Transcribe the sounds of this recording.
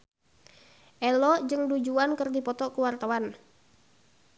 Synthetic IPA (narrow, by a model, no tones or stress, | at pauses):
ʔɛlɔd͡ʒɨŋdud͡ʒuankərdipɔt̪ɔkuwart̪awan